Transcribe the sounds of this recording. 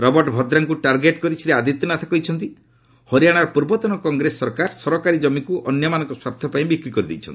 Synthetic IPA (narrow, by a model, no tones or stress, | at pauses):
ɾɔbɔɾʈbʱɔd̪ɾaŋkuʈaɾɡeʈkɔɾit͡ʃʰiɾead̪ʱit̪ɔnat̪ʰḁkɔjt͡ʃʰɔnt̪i | hɔɾijaɽ̃aɾɔpuɾbɔt̪ɔnɔkɔŋɡɾesːɔɾkaɾsɔɾɔkaɾid͡ʒɔmikuʔɔnjɔmanɔ̃ŋkɔswapt̪ʰjɔpaĩbikɾikɔɾid̪ḛjt͡ʃʰɔni